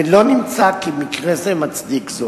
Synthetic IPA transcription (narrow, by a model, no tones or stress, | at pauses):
lo̞nimt͡sakimikʁezemat͡sdikzo